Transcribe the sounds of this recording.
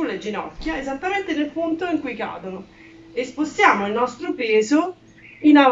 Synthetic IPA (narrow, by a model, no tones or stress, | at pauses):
ulːed͡ʒinɔkːjaezat̪ːament̪enelpunt̪oiŋkujka̰ːd̪ono | espost̪jaːmoilnɔst̪ɾopeːzo | ina